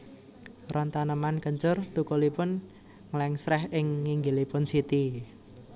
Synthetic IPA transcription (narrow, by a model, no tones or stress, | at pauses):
rʔɔnt̪anəmankəɲt͡ʃʊrt̪ukɔlipʊn | ŋlɛŋsɾɛɦɪŋːiŋɡilipʊnsit̪i